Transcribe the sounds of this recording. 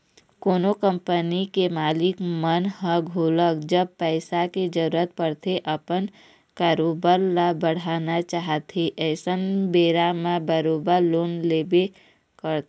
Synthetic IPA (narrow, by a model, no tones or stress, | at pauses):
koːnokə̃mpənikemaːlɪkmənɦə̃ɡʱuːləkd͡ʒəb̚pɛːɪsaked͡ʒəɾuːɾət̪̚pəɽt̪eʔəpən | kaːɾoːbəɾlabəɽ̤aːnat͡ʃaɦət̪ɦeʔɛːsənbeːɾamãbəɾoːbəɾloːnleːbe | kəɾt̪